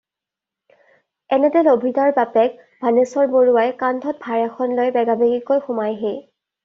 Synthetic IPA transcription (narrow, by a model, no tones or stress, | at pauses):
ɛnɛdɛlobʱidaɹbapɛk̚ | bʱanesɔɹboɹuwajkandʱɔt̚bʱaɹɛxʰɔnlojbɛɡabeɡikojxʊmajɦe